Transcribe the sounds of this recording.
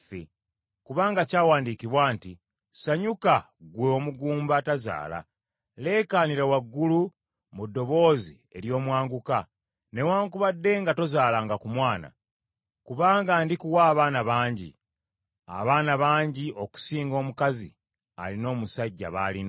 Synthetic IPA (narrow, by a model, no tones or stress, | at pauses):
fḛ | kuβaːŋɡacaːwaːndikiβwaːnti | saɲuka | ɡweomuɡuːmbataza̰ːla̰ | le̞ːkaːniɾawaɡːulu | mudːo̞βo̞ːzi | e̞̰ɾjo̞ːmwaːŋɡuka | ne̞waːŋkuβadːe̞ŋɡato̞zaːlaːŋɡakumwaːna̰ | kuβaːŋɡaːndikuwaːβaːnaβaːɲɟḭ | a̰βaːnaβaːɲɟiʔo̞ku̥siːŋɡo̞ːmukazḭ | a̰lino̞ːmusaɟːa̰βalin